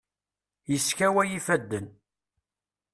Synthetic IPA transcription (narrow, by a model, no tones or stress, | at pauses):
jəskæwæjifæd̪ːən